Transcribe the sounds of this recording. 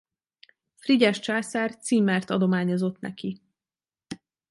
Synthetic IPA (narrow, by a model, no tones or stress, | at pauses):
friɟɛʃt͡ʃaːsɛrt̪siːmːɛrt̪ɒd̪o̞maːɲo̞zo̞t̪nɛ̰ki